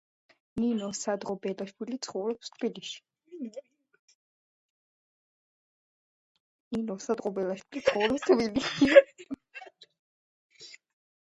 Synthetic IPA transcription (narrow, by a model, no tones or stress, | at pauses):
ninɔsad̪ʁɔbɛlaʃpulit̪sʰχɔvɾɔpst̪ʰbiliʃi̥ | ninɔsad̪ʁɔbɛlaʃpʰulit̪sʰχɔwɾɔpst̪ʰbiliʃi